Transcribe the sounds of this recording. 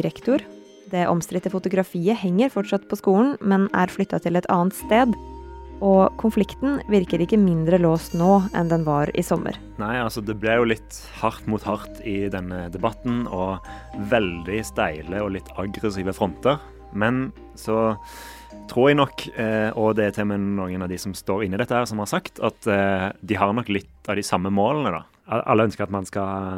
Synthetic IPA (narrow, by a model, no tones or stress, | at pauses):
ɾɛkt̪ʊɾ | d̪ɛʔɔ̰mst̪ɾɪt̪ːəfʊt̪ʊɡɾɑfiːəhɛŋːəɾfɔʈʂɑt̪pʰɔskuːn̩mɛnæ̰ɾflʏt̪ːɑt̪ʰɪlɛt̪ʰɑ̰ːənt̪st̪eːd̪ | ɔkʰʊnflɪkt̪nʋɪɾkəɾɪkːəmɪnd̪ɾəloːst̪noːɛ̰nd̪ɛnʋɑɾɪ̰sɔmːʔə̰ɾ | næɪɑlsɔd̪ɛblɛjʊlɪt̪ | hɑʁt̪muːt̪hɑʁt̪ɪd̪ɛnːəd̪ɛbɑt̪n̩ɔʋɛld̪ɪst̪æɪləɔlɪt̪ʰːɑɡɾəsiːʋəfɾɔnt̪əʁ | mɛn | sɔ | t̪ʰɾuːʁɛɡnɔkɔd̪ɛt̪ʰɛlmənoːɡənɑʋd̪ɪsɔmst̪oːɾɪnːɪd̪ɛt̪ːəhæːʁsɔmhɑʁsɑkt̪ʰɑt̪d̪ɪɦɑʁnɔkːlɪt̪ɑʋd̪ɪsɑmːəmoːlənəd̪ɑ̰ | ɑɑ̰lːəœnskəɾʁɑt̪mɑnskɑ